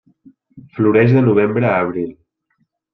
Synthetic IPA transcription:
fluɾɛʒðənuβ̞embɾəːβ̞ɾilˠ

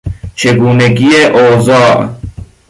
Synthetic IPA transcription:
t͡ʃʰeɡuːneɡieʔoːzaːʔ

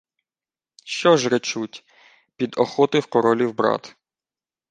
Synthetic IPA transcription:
ʃt͡ʃɔʒɾet͡ʃutʲ | pʲid̪ɔxɔt̪ɪwkɔɾɔlʲiwbɾɑ̰t̪

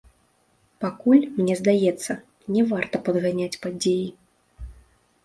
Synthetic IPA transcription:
pakulʲmnʲɛzd̪ajɛt̪sːɐ | nʲɛvart̪ɐpɐd̪ɣanʲat͡sʲpad͡zʲeji

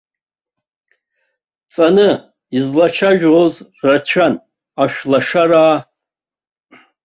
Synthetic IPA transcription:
t͡sʼanɨ | izlat͡ʃʰaʒᶣozrat͡ɕʷʰan | aʃᶣlaʂaɾaː

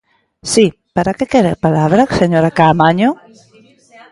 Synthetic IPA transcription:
si | paɾakekeɾepalaβɾaseɲoɾakamaɲo

